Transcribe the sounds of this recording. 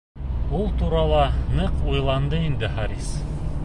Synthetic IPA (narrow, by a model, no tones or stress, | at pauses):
ulˠt̪uɾɑlˠɑnɤqujlˠɑnd̪ɤind̪ɘχɑɾis